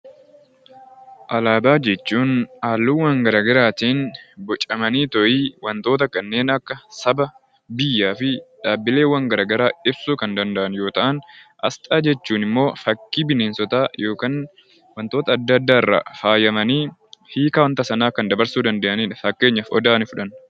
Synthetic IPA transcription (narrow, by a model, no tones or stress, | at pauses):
ʔɐlaːbaːd͡ʒɛt͡ʃːuːnaːlːuːwɐŋɡɐɾaːɡɐɾaːt̪iːnbɔt͡ʃʼːɐmɐniːt̪ɔʔiːwɐnt̪o̞ːt̪ɐkɐnːe̞ːnɐkːɐsɐbɐ | bɪjːaːfɪᶑaːbːɪle̞ːwːɐŋɡɐɾaːɡɐɾaːɪbsuːkɐnd̪ɐnd̪ɐʔɐnjo̞ːt̪ɐʔɐnʔɐ̰st̪ʼaːd͡ʒɛt͡ʃːuːnɪmːo̞ːfɐkːiːbɪneːnsɔt̪aːjo̞ːkaːn | wɐnt̪oːt̪ɐːd̪ːɐːd̪ːaːɪrːɐ̰faːjɐmɐniːhiːkaːwɐnt̪ɐsɐnaːkːɐnd̪ɐbɐɾsuːd̪ɐnd̪eʔɐniːᶑɐfɐkːe̞ːɲːɐfɔd̪aːnɪfʊᶑɐn